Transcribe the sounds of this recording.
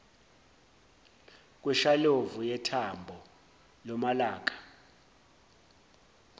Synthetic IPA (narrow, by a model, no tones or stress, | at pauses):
k̬ʼwɛʃalovujɛtʰambʱɔ | lɔmalaːk̬ʼḁ